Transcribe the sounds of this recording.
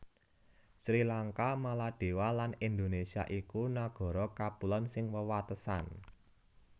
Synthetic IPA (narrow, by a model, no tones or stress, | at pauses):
sɾilaŋkamalad̪̥e̤walanind̪onesia̰ʔikunaɡ̥ɔ̤ɾɔkapulɔnsɪŋwəwat̪əsa̰n